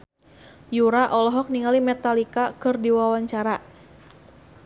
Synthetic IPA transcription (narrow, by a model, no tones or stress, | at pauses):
juɾaʔɔlɔɦɔk̚niŋalimɛt̪alikakɨrdiwawaɲt͡ʃaɾa